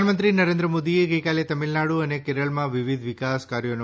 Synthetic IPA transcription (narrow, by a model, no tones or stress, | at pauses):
nmənt̪̬ɾinɐɾeːnd̪ɾəmoːd̪ieɡɐjkaːlet̪ɐmilnaɽuɐnekeːɾəɭmãʋiʋid̪ʱʋikaːskaɾjonu